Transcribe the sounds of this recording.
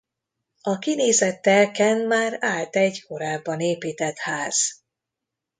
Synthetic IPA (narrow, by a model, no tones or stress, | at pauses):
ɒkineːzɛt̪ːɛlkɛnmaːɾaːlt̪ɛɟko̞ɾaːbːɒneːpiːt̪ɛt̪haːz̥